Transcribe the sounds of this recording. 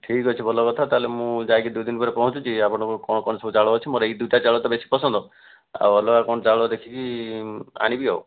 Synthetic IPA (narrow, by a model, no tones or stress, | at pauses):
ʈʰikɦɔt͡ʃʰibʱɔlɔkɔt̪ʰat̪aɦlemũd͡ʒajkid̪ud̪inpɔɾepɔɦũt͡ʃut͡ʃʰiapɔɽ̃ɔkukɔɽ̃ɔkɔɳɔsɔbut͡ʃaɭɔːt͡ʃʰimoɾejd̪uʈat͡ʃaɭɔt̪ɔbesi̥pɔsɔnd̪ɔ | a̰wɔlɔakɔɳ̃ɔt͡ʃaɭɔd̪ekʰiki | a̰ñibiɦɔw